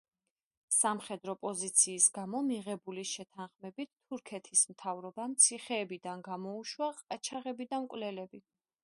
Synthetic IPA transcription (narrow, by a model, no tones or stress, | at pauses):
samχɛd̪ɾɔpʼɔzit̪sʰiːsɡamɔmiʁɛbuliʃɛt̪ʰanχmɛbit̪ʰːuɾkʰɛt̪ʰismt̪ʰavɾɔbamt̪sʰiχɛːbid̪anɡamɔuʃwaqʼat͡ʃʰaʁɛbid̪amkʼwvlɛlɛbi